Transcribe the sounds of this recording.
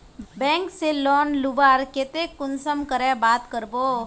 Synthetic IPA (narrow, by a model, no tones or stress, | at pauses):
bɛ̃ːŋkselɔːnlubaːɾket̪ekʊnsəmkəɾɛbaːt̪kəɾboː